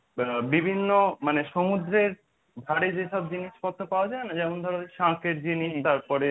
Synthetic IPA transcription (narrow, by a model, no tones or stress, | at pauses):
bibʱinːomaneʃomud̪ɾeɾ | bʱaɾed͡ʑeʃɔbd͡ʑiniʃkɔt̪ʰːopaoad͡ʑaenad͡ʑɛmond̪ʱɔɾoʃãkeɾd͡ʑiniʃt̪aɾpɔɾe